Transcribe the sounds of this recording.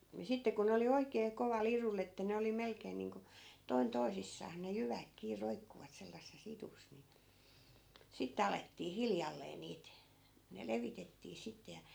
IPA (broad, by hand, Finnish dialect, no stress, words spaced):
ni sitːe ku ne oli oikeː koʋɑlˑ irulː etːæ ne oli melkeːn niːŋko toin toisisːɑːs ne jyʋæk kiː roikːuʋɑt selːɑsːes itus ni sitːĕ ɑletːiː hiljɑlːeː niːt ne leʋitetːiː sitːe jɑ